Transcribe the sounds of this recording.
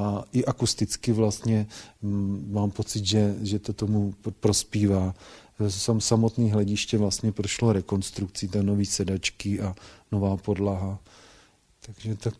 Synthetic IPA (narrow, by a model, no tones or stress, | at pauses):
aʔɪʔakust̪ɪt͡skɪvlast̪ɲɛ | maːmpo̞t͡sɪt̪ʒɛʒɛt̪ot̪omupɾo̞spiːvaː | samsamo̞t̪niːɦlɛɟɪʃcɛvlast̪ɲɛpɾoʃloɾɛko̞nst̪ɾuk̚t͡sɪt̪anoviːsɛdat͡ʃkɪʔanovaːpo̞dlaɦa | t̪aɡ̥ʒɛt̪ak